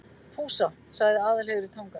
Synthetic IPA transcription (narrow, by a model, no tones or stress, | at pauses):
fʰuːsa | saɣðɪaːðalɛɣʏɾɪt̪ʰawŋka